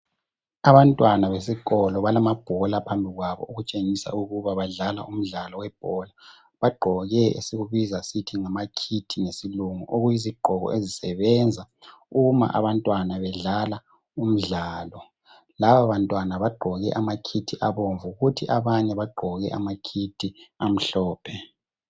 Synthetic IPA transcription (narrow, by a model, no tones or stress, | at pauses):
aβantʼwanaβesikʼɔlɔβalamab̥ʱɔlapʰambʱiɣwaβɔ̰uɣut͡ʃʼeŋisa̰uɣuβaβaɮala̰ʔum̩ɮalɔwɛb̥̚ʱɔla | βaɡ͡ǃʱɔɣɛḛseɣuβizasitʰiŋamakʰitʰinesiluŋṵʔoɣujiziɡ͡ǃʱɔɣɔ̰ezisɛβɛnd͡zʱa | uma̰ʔa̰βantʼwanaβɛɮala | um̩ɮaːlɔ | laβaβantʼwanaβaɡ͡ǃʱɔɣɛ̰ʔamakʰitʰiʔaβoɱvuɣutʰiʔaβaɲɛβaɡ͡ǃʱɔɣɛ̰ʔamakʰitʰiam̩ɬɔːpʰɛ